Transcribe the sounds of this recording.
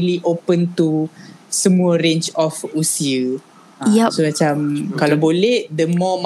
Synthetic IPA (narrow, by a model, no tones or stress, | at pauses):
liʔopənt̪usəmũəɾẽnt͡ʃɔfusiə | jɛsomat͡ʃamkalawbolɛhd̪əmɔm